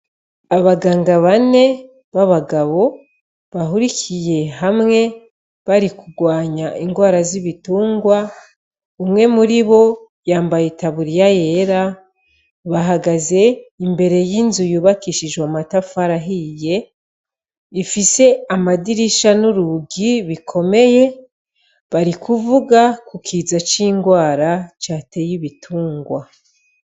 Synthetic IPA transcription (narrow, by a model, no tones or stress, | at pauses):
aβaɡaːŋɡaβane̞ | βaβaɡaβo̞ | βaɦuɾicʰije̞ɦamŋe̞ | βaɾikuɡwaːɲaʔiŋɡwaːɾaziβituːŋɡwa | umŋe̞muɾiβo̞ | jaːmbajetaβuɾijaje̞ɾa | βaɦaɡaze̞imbe̞ɾe̞jiːnzujuːβakiʃiʒwamatafaɾaɦije̞ | ifise̞amadiɾiʃanuɾuɡiβikʰo̞me̞je̞ | βaɾikuvuɡakukʰiːzat͡ʃiːŋɡwaːɾat͡ʃaːte̞jiβitʰuːŋɡwa